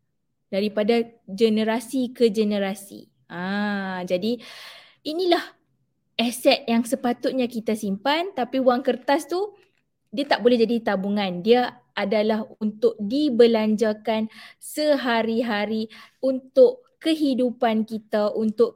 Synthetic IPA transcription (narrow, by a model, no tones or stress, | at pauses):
daɾipadad͡ʒənə̃ɾasikəd͡ʒənəɾasḭ | ãd͡ʒadi | ʔinĩlah | ɛsɛt̪̚jaŋsəpat̪ʊt̪̚ɲakit̪asimpant̪apiwaŋkərt̪ast̪u | diat̪aʔ̚bolɛhd͡ʒadit̪abuŋãndia | adalahunt̪ʊk̚dibəlaɲd͡ʒakansəɦaɾiɦaɾiunt̪ʊʔkəɦidupankit̪aʔunt̪ʊʔ